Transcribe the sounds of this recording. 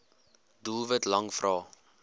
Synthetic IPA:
dulˠvətlɐŋfrɑː

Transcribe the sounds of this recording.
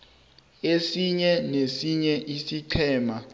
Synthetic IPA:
esiɲɛnesiɲɛʔisiǃʰɛːma

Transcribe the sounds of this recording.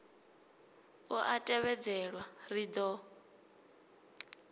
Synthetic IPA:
uʔatʼɛβɛd͡zɛɺwarid̪ɔ

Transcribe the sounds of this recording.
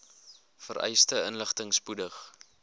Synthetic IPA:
fəɾʔɛ̰jstəənləχtəŋspudəχ

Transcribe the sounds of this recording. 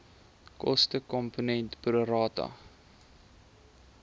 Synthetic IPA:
kɔ̰stəkɔmpunɛntpruɾɑːtɐ̰

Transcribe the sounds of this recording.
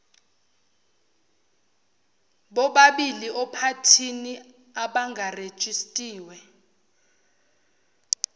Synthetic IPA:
ɓɔɓaɓiliʔɔpʰatʰini | aɓaŋɡʱared̥ʒ̥ʼʱistʼiːwɛ

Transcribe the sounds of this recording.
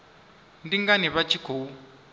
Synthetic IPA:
ndiŋɡaniβat͡ʃʰikʰoːu

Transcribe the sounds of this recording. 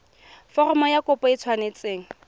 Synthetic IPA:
fɔrɔmɔjakʼʊpɔit͡sʰwanet͡sʼeːŋ̩

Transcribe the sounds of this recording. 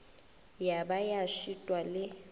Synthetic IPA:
jabajaʃitʼwalɪ

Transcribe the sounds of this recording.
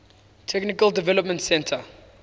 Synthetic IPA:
tʰɛknɪkəldivɛləpmə̃ntsɛ̃ntʰə

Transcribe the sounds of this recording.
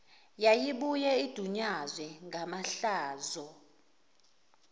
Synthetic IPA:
jajiɓujɛid̥ʱuɲazwɛŋʱamaɬaːzɔ

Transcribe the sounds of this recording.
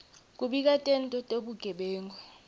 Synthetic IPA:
k̬ʼuɓik̬ʼatʼɛntʼɔtʼeɓuɡ̥ʱɛɓɛːŋʱwɛ

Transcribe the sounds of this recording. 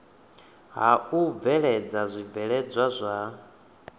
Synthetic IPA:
ɦaub̪vɛɺɛd͡zazʷib̪vɛɺɛd͡zʷazʷa

